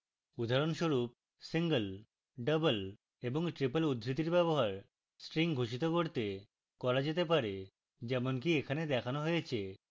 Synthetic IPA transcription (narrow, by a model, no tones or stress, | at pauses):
ud̪ʱaɾonʃoɾup̚ | siŋɡəl | ɖəbəl | eboŋʈɾipəlud̪ːɾit̪iɾbɛboɦaɾ | sʈɾiŋɡʱoʃit̪okoɾt̪e | kɔɾad͡ʑet̪epaɾe | d͡ʑɛmonk̬iekʰaned̪ɛkʰanoɦojet͡ɕʰe